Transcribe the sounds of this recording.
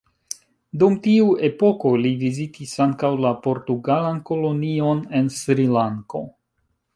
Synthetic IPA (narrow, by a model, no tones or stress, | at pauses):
dumtiue̞po̞ko̞livizitʰisaŋkawlapo̞ɾtuɡalanko̞lo̞nio̞ne̞nsɾilaŋko̞̰